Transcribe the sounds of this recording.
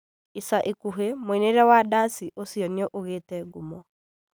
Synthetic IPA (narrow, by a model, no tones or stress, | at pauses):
isaʔikuɦemoineɾɛwadasiʔosiɔneɔʔoɣeːtɛɡumɔ